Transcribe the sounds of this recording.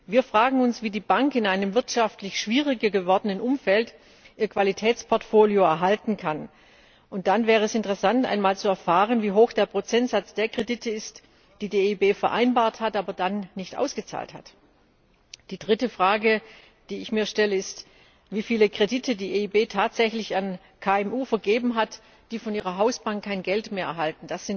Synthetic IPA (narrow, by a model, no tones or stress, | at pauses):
viːɐfʁ̥aːɡŋ̩ʊnsv̥iːdiːbaŋkɪnʔaɪnəmvɪɐtʃaftlɪçʃv̥iːʁɪɡɐɡəvɔɐdənənʔʊmfɛlt | ʔiːɐkv̥alitʰɛːt͡spʰɔɐtfoːljoɛɐɦaltn̩kʰan | ʔʊnt̚d̥anvɛːʁəɛsɪntəʁɛsantʔa̰ɪnmaːlt͡suɛɐfaːʁ̞ənviːɦoːxd̥eːɐpʁ̥ot͡sɛntz̥at͡sd̥eːɐkʁ̥edɪtʰəɪst | d̥iːdiːeiːbeːfɛɐʔa̰ɪnbaːɐthatʔaːbɐdanːɪçtʔa̰ʊsɡ̥ət͡sa̰ːltha̰t | d̥iːdʁɪtəfʁ̥aːɡə | d̥iːɪçmiːɐʃtɛləɪst | viːfiːləkʁ̥edɪtʰədiːʔeːiːbeːtʰaːtz̥ɛçlɪçan | kʰaːɛmʔuːfɛɐɡeːbm̩ɦat | d̥iːfɔniːʁɐɦaʊsb̥aŋkkʰːaɪnɡɛltmeːɐʔɛɐɦaltn̩d̥asz̥ɪn